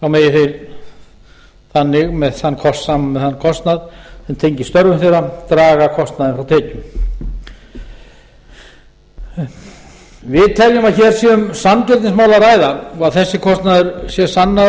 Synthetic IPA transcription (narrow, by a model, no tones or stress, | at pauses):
θawmeːjɪθe | θanːɪɣmɛðθanːkʰɔsːaːmamɛðhanːkʰɔst̪naðθɛnt̪ʰejɲcɪst̪œɾvʏmθejɾat̪ɾaːɣakʰɔst̪naðɪnfɾawt̪ʰɛːcʏ | vɪðt̪ʰɛljʏmaðçɛːɾ̥sjɛʏmsanc̪ɛlt̪ɪnsmaːwlaraːjðaaðθɛsːɪkʰɔst̪naðʏɾsjɛsanːa